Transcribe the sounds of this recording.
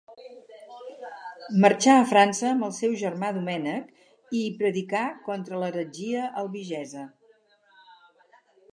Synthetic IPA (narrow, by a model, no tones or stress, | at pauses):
mərt͡ʃaəfɾansəːmbəlˠsɛwʒərmaðumɛnək | ipɾəðikakɔnt̪ɾələɾəd͡ʒiəʔəlˠβiʒɛzə